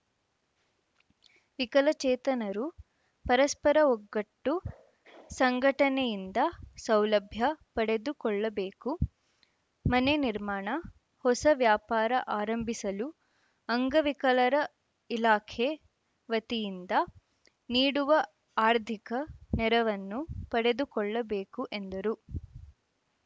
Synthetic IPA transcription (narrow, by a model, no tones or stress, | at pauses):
ʋikɐlɐt͡ʃɛːt̪ɐnɐɾu | pɐɾɐspɐɾɐɔɡːɐʈːu | sɐŋɡʱɐʈɐnejind̪ɐsɐwlɐbʱjɐpɐɽe̞d̪ukɔɭːɐbeːku | mɐneniɾmaːɳɐ | hɔsɐʋjaːpaːɾɐʔaːɾɐmbʱisɐlu | ɐŋɡɐʋikɐlɐɾɐ | ilaːkʰe | ʋɐt̪ijind̪ɐ | niːɽuʋɐ | aːɾd̪ʱikɐnɛɾɐʋɐnːupɐɽe̞d̪ukɔɭːɐbeːkuʔend̪ɐɾu